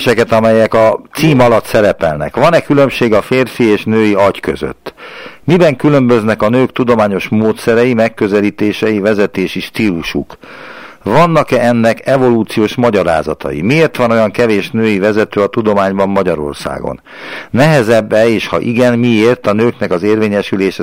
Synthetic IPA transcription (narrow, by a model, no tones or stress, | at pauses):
ʃɛkɛt̪ɒmɛjɛkɒt̪siːmɒlɒt̪sɛɾɛpɛlnɛ̰kʋɒnɛkylø̞mʃeːɡɒfeːrfieːʃnøːjiɒckø̰zø̰t̪ːmibɛŋkylø̞mbø̞znɛkɒnøːkt̪ud̪o̞maːɲo̞ʃmoːt̪sɛɾɛjimɛkːø̞zɛliːt̪eːʃɛjivɛzɛt̪eːʃiʃt̪iːluʃuk | ʋɒnːɒkɛɛnːɛkɛvo̞luːt̪sijoːʃmɒɟɒɾa̰ːzɒt̪ɒ̰jḭmieːrt̪ʋɒno̞jɒŋkɛveːʃnøːjivɛzɛt̪øːɒt̪ud̪o̞maːɲbɒmːɒɟɒɾo̞̰rsa̰ːɡo̞̰nː | ɛɦɛzɛbːɛeːʃhɒ̰ʔiɡɛnmieːrt̪ɒnøːknɛkɒzeːrveːɲɛʃyleːʃɛ